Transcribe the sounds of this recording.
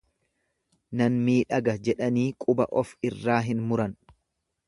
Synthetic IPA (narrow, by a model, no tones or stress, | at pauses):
nɐnmiːᶑɐɡɐd͡ʒɛᶑɐniːkʼʊbɐ̰ʔɔfɪrːaːɦɪnmʊɾɐn